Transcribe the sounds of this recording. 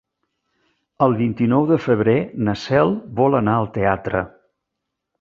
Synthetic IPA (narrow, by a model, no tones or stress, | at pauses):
əlˠβint̪inɔwðəfəβ̞ɾenəsɛlˠβɔlənaəlˠt̪eat̪ɾə̰